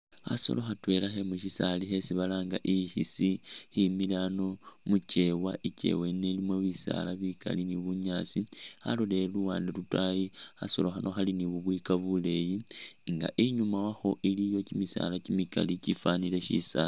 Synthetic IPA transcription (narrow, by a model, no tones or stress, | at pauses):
a̰so̞̰loxatwe̞laxemuʃisalixe̞siβalaːŋɡaʔihisiximilano̞muce̞waʔice̞̰we̞nelimwoβisa̰laβikʰa̰liniβuɲaːsia̰lole̞luwaːndelutwajia̰so̞loxanʔo̞xaliniβuβwikaβule̞jiŋɡa̰ʔiɲumawaxo̞ʔilijo̞cimisa̰lacimika̰licifanile̞ʃḭsa̰l